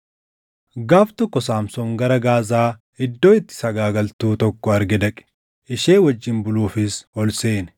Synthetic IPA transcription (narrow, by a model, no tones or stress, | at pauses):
ɡaːft̪ɔkːɔsaːmsɔmɡɐɾɐɡaːzaː | ɪd̪ːo̞ːɪt̪ːɪ̥sɐɡaːɡɐlt̪uːt̪ɔkːɔɐɾɡɛd̪ɐkʼɪ̥ | ʔɪʃe̞ːwɐd͡ʒːɪmbʊluːfɪsɔlseːnɛ̥